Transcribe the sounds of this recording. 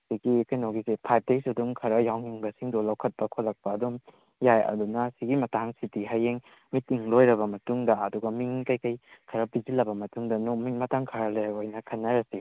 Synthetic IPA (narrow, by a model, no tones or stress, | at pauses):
siɡikʰajnoɡizepʰaj̚tejsuduŋkʰɐɾɐjawŋiŋbɐsiŋdulawkʰɐt̚pɐkʰolɐk̚pɐːdum | jajɐ̰dunɐsiɡimɐtaŋsitiɦajeŋ | mitːiŋlojɾɐbɐmɐtuŋdɐɐduɡɐmiŋkɐjkɐjkʰɐɾɐpizilɐbɐmɐtuŋdɐnumiŋmɐtaŋkʰaɾɐlajaojnɐkʰɐnːɐɾɐsi